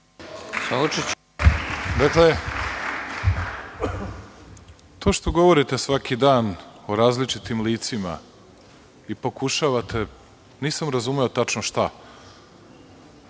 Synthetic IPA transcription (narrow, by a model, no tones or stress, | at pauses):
saut͡ʃet͡ɕ | d̪akle | t̪o̞ːʃt̪o̞ɡo̞ʋo̞ɾit̪esʋakʰid̪aːnoɾaːzlit͡ʂit̪imliːt̪sima̰ | ipo̞kuʃaʋat̪ʰe̞ | niːsamɾazumeo̞t̪at͡ʃnoʃt̪a